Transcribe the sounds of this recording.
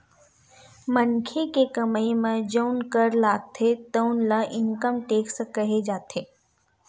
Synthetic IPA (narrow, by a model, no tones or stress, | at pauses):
mənkʰekekəməemẽd͡ʒəʊnkəɾlaːɡ̚t̪ʰet̪ənlɐʔɪŋkəmʈeːksə̃kəɦed͡ʒaːt̪ʰeː